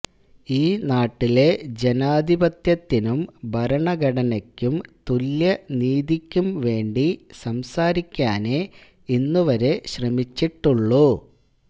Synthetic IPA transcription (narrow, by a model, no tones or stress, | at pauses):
iːnaːʈːile̞d͡ʑe̞naːd̪ʱibɐt̪jɐt̪ːinumbʱɐɾɐɳɐɡɐɽɐnɐkʲːumt̪uljɐniːd̪ikʲːumʋe̞ːɳɖisɐmsaːɾikʲːaːne | inːuʋɐɾe̞ɕrɐmit͡ɕːiʈːuɭːu